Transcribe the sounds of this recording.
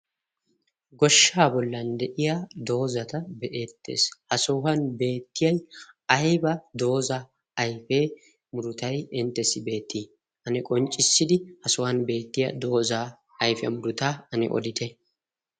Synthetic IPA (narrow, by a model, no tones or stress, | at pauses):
ɡɔʃːaːbɔlːɐnd̪ɛʔɪjad̪o̞ːzɐt̪ɐbɛʔeːt̪ːḛːshɐsoːɦɐnbe̞ːt̪ːɪjɐjɐjbɐd̪o̞ːzaː | jfeː | mʊɾʊt̪ɐjɛnt̪ːɛsɪbe̞ːt̪ːiː | ʔɐnɛkʼɔnt͡ʃʼːɪsːɪd̪ɪhɐsohɐnbe̞ːt̪ːɪjɐd̪o̞ːza | ɐjfɛɐ̰mʊɾʊt̪aːɐnɛ̰ʔɔ̰d̪ɪt̪ɛ